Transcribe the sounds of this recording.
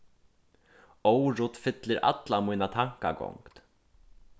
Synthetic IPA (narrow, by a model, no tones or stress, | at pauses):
owɾʊt̪fɪt̪lɪɾʔa̰t̪lamujnat̪ʰaŋ̥ka̰ɡɔ̰ŋkt̪